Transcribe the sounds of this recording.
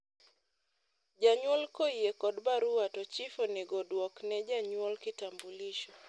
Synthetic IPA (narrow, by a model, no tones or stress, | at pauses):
d͡ʒaɲwɔlkɔiekɔdbaɾuatɔt͡ʃifɔnɛɡɔdwɔknɛd͡ʒaɲwɔlkitambuliʃɔ